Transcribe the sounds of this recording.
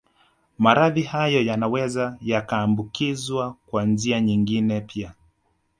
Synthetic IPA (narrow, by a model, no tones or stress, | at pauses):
maɾaðihajɔjanawɛzajakaːmbukizwakwand͡ʒiaɲiŋɡinɛpʰia